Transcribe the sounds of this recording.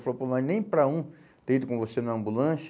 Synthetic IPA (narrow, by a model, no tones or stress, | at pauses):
faloponãnẽj̃pɾɐũ | t̪ẽid̪ʊkõvosenɐ̃ɐ̃mbulɐ̃s